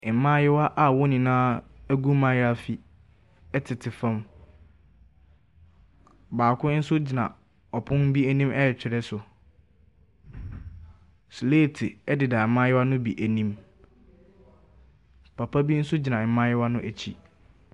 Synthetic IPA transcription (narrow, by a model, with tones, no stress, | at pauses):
ɪ˨˦mã˦jɛ˦wa˦ʔa˨wɔ˦nɪ̃˨nãː˦æ˦ɡu˦mã˦jɪ˦a˦˨fi˨ | ɛ˦tʰɪ˨tʰɪ˨fɛ̃˦m | baː˨kʰʊ̃˦n̩˦sʊ˦d͡ʑɪ˨nã̰˨ | ɔ˨pʰʊ̃˦n˦bi˦æ˦nĩ˦mʔɛ˦ɛ˨t͡ɕᶣɪ˨ɾɛ˦sʊ˨ | sleː˦˨tʰɪ˨ɛ˦dɪ˨da˨mːã˦jɪ˦wa˦nʊ̃˦bi˨ʔæ˨nĩ˦m | pʰa˨pʰa˦bi˦n̩˦sʊ˦d͡ʑi˨nã˨mã˦jɪ˦wa˦nʊ̃˦ʔæ˨t͡ɕʰi˦